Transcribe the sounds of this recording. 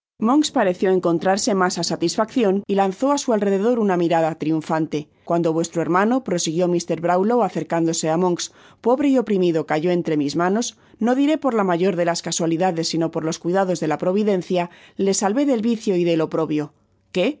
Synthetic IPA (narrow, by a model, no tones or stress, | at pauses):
mo̞ŋkspaɾe̞θjo̞e̞ŋko̞nt̪ɾaɾse̞masasat̪isfakθjo̞nilanθo̞asualre̞ðe̞ð̞o̞ɾunamiɾaðat̪ɾiuɱfant̪e̞ | kwand̪o̞βwe̞st̪ɾoe̞ɾmãno̞pɾo̞siɣ̞jo̞mist̪e̞ɾβɾawlowaθe̞ɾkand̪o̞se̞amõ̞ŋks | po̞βɾe̞io̞pɾimiðo̞kaʝo̞e̞nt̪ɾe̞mizmãno̞s | no̞ðiɾe̞po̞ɾlamaʝo̞ɾðe̞laskaswaliðaðe̞sːino̞po̞ɾlo̞skwiðaðo̞zðe̞lapɾo̞β̞iðẽ̞nθjale̞salβe̞ðe̞lβiθjo̞iðe̞lo̞pɾo̞βjo̞ | ke̞